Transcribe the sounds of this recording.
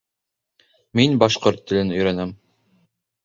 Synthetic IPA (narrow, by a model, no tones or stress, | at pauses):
minbɑʃqoɾt̪ːɘ̆lɘnɵ̆jɾænæm